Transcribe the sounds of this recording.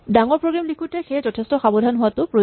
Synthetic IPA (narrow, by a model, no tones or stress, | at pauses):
daŋɔɹpɹoɡɹamlikʰutɛxejzɔtʰestɔxabɔdʱanɦʊwatʊpɹo